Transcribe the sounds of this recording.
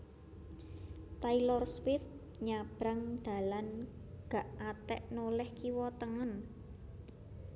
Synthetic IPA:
t̪ailɔrswɪf | ɲab̥ɾaŋd̪̥a̤lanɡ̥a̤ʔat̪ɛʔnolɛhkiwɔt̪əŋən

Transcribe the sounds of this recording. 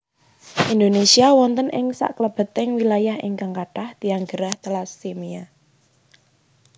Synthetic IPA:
ʔind̪onesiawɔnt̪ənʔɪŋsa̰ʔkləb̥ə̤t̪ɪŋwilajahɪ̰ŋkaŋkaʈahd̪̥i̤aŋɡəɾaht̪əlasːemia

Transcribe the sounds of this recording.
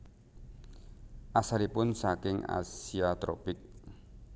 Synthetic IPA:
ʔasalipʊnsakɪŋa̰siat̪ɾɔ̰pɪk̚

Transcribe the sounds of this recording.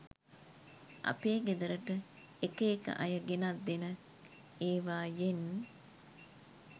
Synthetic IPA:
ʔɐ̰peːɡed̪ɐɾəʈə | ekeːkɐ̰ʔɐjɐɡenɐd̪ːenə | eːʋaːjen

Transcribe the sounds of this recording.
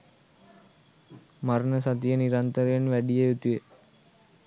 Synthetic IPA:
maɾnəsat̪̬ijəniɾant̪əɾejenʋæɖijejut̪uje

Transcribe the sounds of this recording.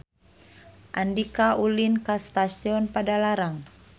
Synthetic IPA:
ʔandikaulinkast̪asiɔnpadalaɾaŋ

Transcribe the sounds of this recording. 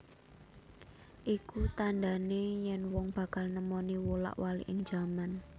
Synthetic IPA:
ʔikut̪and̪a̤nejɛnwɔŋb̥ä̤kalnəmɔniwola̰ʔwalḭʔɪŋ̥d͡ʒ̥a̤man

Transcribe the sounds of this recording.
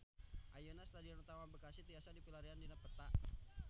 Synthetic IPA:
ʔajonast̪adiɔnut̪amabəkasit̪iasadipilaɾiandinapət̪aʔ

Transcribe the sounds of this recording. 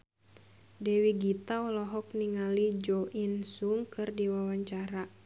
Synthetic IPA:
dɛwiɡit̪aɔlɔɦɔk̚niŋalid͡ʒoʔinsuŋkɨrdiwawaɲt͡ʃaɾa

